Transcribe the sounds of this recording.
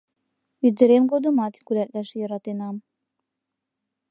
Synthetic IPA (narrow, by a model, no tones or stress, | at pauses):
yd̪ɘ̆ɾemɡod̪ɤ̆mɑt̪kulæt̪læʃjɤ̆ɾɑt̪enɑm